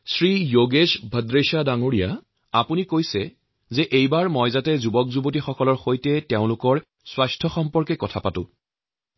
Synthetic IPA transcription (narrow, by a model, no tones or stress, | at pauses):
sɹijoɡesbʱədɹeʃadaŋoɹija̰ | apunikojsɛ | zɛʔejbaɹmɔjzatɛzubɔk̚zubotixɔkɔlɔɹxojtɛteʊ̃lʊkɔɹ | swastʰɔxɔmpɔɹkɛkɔtʰapatʊ̰̃